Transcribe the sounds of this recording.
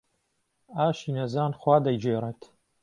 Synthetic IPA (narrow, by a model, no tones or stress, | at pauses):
aːʃiːnɐzaːnxwaːd̪ɐjd͡ʒeːreːt̪